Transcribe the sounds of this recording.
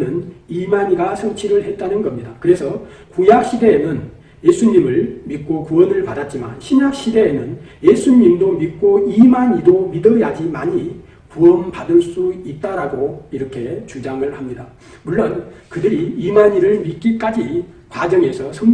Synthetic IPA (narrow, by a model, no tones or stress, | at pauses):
nɯnimaɲiɡasʰʌŋt͡ɕʰiɾɯɭhe̞t̚t͈anɯnɡʌmɲidakɯɾe̞sʰʌ | kujak̚ɕ͈ide̞ːnɯn | je̞sʰuɲimɯɭmit̚k͈okuʌnɯɭpadat̚t͡ɕ͈ima̰nɕʰimjak̚ɕ͈ide̞ːnɯnje̞sʰuɲimdomit̚k͈oimaɲidomidʌjad͡ʑimaɲi | kuʌnpadɯɭs͈uit̚t͈aɾaɡoiɾʌkʰe̞t͡ɕud͡ʑaŋɯɭhamɲida | muɭːonkɯdɯɾiimaɲiɾɯɭmit̚k͈ik͈ad͡ʑi | kwad͡ʑʌŋe̞sʰʌsʰʌŋ